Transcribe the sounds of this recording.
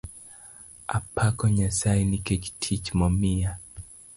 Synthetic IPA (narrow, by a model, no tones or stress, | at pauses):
a̰pʰakɔɲasajnikɛt͡ʃtʰit͡ʃmɔmia